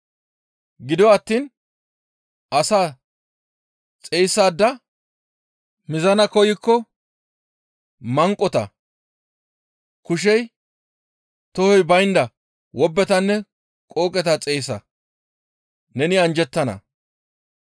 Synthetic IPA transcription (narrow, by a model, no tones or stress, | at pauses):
ɡɪd̪ɔɐt̪ːiːn | ʔɐsaː | t͡sʼejsːaːd̪ːɐ | mɪzɐnɐkɔjɪkːɔ | mɐŋkʼːɔt̪ɐ̰ | kʊʃ̬ɛj | t̪ɔhɔjbɐjnd̪ɐ | wɔbːɛt̪ɐnːɛ | kʼoːkʼɛt̪ɐt͡sʼejsɐ̰ | nɛnɪɐnd͡ʒɛt̪ːɐnɐ̰